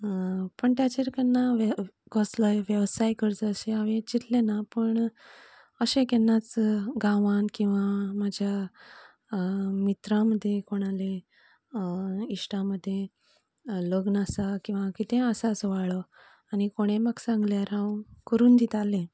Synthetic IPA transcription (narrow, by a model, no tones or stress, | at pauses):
pəɳt̪jat͡ɕeɾkənːaʋ | ɡɔsləjʋjeʋsajkəɾt͡səɕeaʋet͡ɕit̪lenapəɳ | əɕẽkenːat͡sɡãʋankĩw̃ʋamad͡ʑʱja | mit̪ɾaməd̪ʱːjekoɽ̃ale | iʂʈaməd̪ʱːje | ləɡnasakĩw̃ʋakit̪ẽəsasəʋaɭə | aɽ̃ikoɽ̃ẽmaɡsãŋɡljaɾãwkəɾuːnd̪it̪alẽ